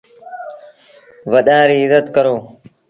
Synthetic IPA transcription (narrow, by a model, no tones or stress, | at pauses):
ʋəɗãːɾiːɪzət̪kəɾoː